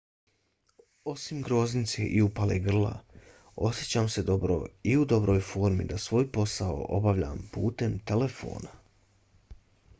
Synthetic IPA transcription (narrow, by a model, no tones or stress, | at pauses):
o̞simɡɾo̞znit̪seʔiupaleɡr̩lˠa̰ | o̞sje̞t͡ɕaːmse̞d̪o̞bɾo̰iud̪o̞bɾo̞ːjfo̞ːɾmḭd̪asʋo̞ːjpo̞sao̰ʔo̞̰baʋʎa̰mpuːt̪e̞mt̪e̞le̞fo̞̰ːna